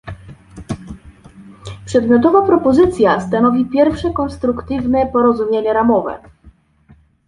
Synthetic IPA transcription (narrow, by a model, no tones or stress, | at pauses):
pʂɛd̪mʲjɔt̪̬ɔvapɾɔpɔzɘt̪sʲjast̪anɔvʲipʲjɛɾfʂɛkɔnst̪ɾukt̪ɘvnɛpɔɾɔzumʲjeɲɛɾamɔvɛ̰